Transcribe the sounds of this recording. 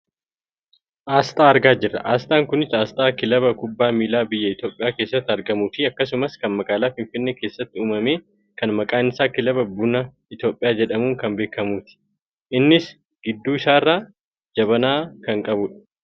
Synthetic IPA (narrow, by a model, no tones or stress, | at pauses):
ʔaːst̪ʼaːɐɾɡaːd͡ʒɪrːɐ̰ʔaːst̪ʼaːŋkʊnɪsaːst̪ʼaːkɪlɐβɐkʊbːaːmiːlaːbɪjːɐɪt̪jo̞ːpʼɪjaːkeːsːɐt̪ːɪɐɾɡɐmuːfɪɐkːɐs̬ʊmɐskɐnmɐkʼaːlaːfɪɱfɪnːeːke̞ːsːɐt̪ːɪuːmɐmeː | kɐnmɐkʼaːnɪsaːkɪlɐbɐbʊnɐ | ɪt̪jo̞ːpʼːɪjaːd͡ʒɛᶑɐmuːŋkɐmbe̞ːkːɐmuːt̪ɪ̥ | ʔɪnːɪs | ɡ̥ɪd̪ːuːɪsaːɪrːaː | d͡ʒɐβɐnaːkɐŋkʼɐbʊᶑɐ̥